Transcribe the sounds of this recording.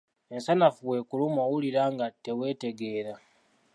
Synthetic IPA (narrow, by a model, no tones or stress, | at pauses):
e̞nsanafuwe̞kulumowuliɾaːŋɡate̞we̞ːte̞ɡe̞ːɾa